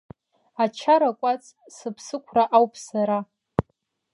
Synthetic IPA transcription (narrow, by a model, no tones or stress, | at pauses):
at͡ʃʰaɾakʷʼat͡sʼ | sɨpʰsɨkʷʰraʔawpʰʼsaɾa